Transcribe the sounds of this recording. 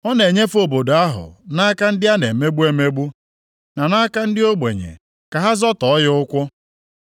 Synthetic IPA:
ɔ˦ne˨ɲe˦fo˨bo˨do˨a˦ɦʊ̰˨na˦ka˦n̩˦dɪ˦a˦ne˨me˦ɡ͡bu˦e˦me˦ɡ͡bu˦ | na˨na˦ka˦n̩˦dɪ˦o˦ɡ͡bḛ˨ɲḛ˨ | ka˨ɦa˦zɔ˦tɔ˨ɔ˦jʊ˦kʷʊ˦

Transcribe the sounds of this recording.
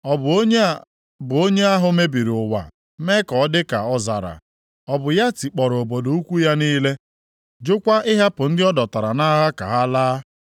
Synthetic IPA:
ɔ˨b | bʊ˨o˦ɲe˦a˦ɦʊ˦me˦bi˨ɾʊ˨wa̰˨˦ | me˦kɔ˨ɔ˦dɪ˦ka˨ɔ˦za̰˨ɾa̰˨ | ɔ˨bʊ˨ja˦ti˨k͡pɔ˨ɾo˨bo˨do˨u˦kʷu˦ja˦niː˦le˦ | d͡ʒʊ˦kʷa˦ʔɪ˦ɦa˦pʊ˨n̩˦dɪ˦ɔ˦dɔ˨ta˨ɾa˨na˦ɦa˦ka̰˨ɦa˦laː˦

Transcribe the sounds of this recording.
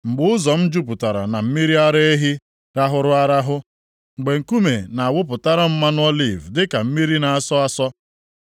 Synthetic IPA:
ŋ͡m̩˨ɡ͡bʊ˦ʊ˦zɔ˨m̩˦d͡ʒu˦p̬ʊ˨ta˨ɾa̰˨na˨m̩˦mi˦ɾi˦a˦ɾe˦e˦ɦi˦ | ɾa˦ɦʊ˦ɾʊ˦a˦ɾa˦ɦʊ˦ | ŋ͡m̩˨ɡ͡be˨ŋ̩˨ku˦me˨na˨a˨wʊ˦p̬ʊ˨ta˦ɾɔ˦m̩˦ma˦nʊ˦ɔ˦li˦˨vdɪ˦ka˨m̩˦mi˦ɾi˦na˨a˨sɔ˦a˦sɔ˦

